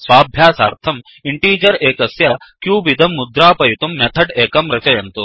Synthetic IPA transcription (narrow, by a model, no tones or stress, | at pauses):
sʋaːbʱjaːsaːɾt̪ʰɐm | iɳʈiːd͡ʒɐɾeːkɐsjɐkjuːbid̪ʱɐmːud̪ɾaːpɐjut̪umːet̪ʰɐɖeːkɐmɾɐt͡ʃɐjɐnt̪u